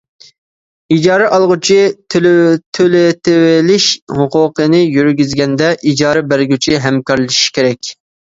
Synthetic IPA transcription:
id͡ʒɑːɾɛʔɑlˠʁʊt͡ʃʰit̪ʰt̪ʰølɪt̪ʰɪwɪlɪʃhʊqʊqʰənɪjyɾɡʲyzɡʲɛnd̪ɛʔid͡ʒɑːɾɛbæɾɡʲyt͡ʃʰiɦɛmkɑɾlˠɨʃi̥kʲʰeɾɛkʲ

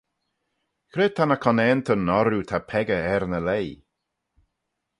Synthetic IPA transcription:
kʰɾeːd̚t̪ʰanakʰɔnɛːnt̪ʰənɔɾut̪ʰapʰɛɡəɛɾnəlej

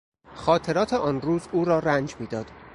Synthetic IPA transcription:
xɒːt̪ʰe̞ɾɒːt̪ʰeʔɒːnruːzuːɾɒːɾænd͡ʒmiːd̪ɒːd̪̥

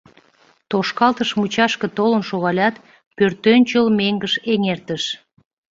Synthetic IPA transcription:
t̪oʃkɑlt̪əʃmut͡ɕɑʃkə̆t̪olənʃoɣɑlʲɑt̪ | pørt̪ønʲt͡ɕəlmeŋɡəʃeŋert̪əʃ

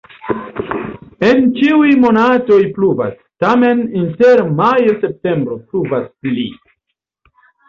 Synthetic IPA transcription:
e̞nt͡ʃiujmo̞nato̞jpluva̰s | tame̞ninte̞ɾmajose̞p̚te̞mbɾo̞pluvaspli

